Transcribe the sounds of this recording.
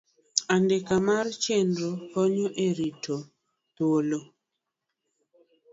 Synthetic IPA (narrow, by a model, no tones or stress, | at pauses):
andekamart͡ʃendɾokɔɲɔʔeɾitʰo | t̪wolo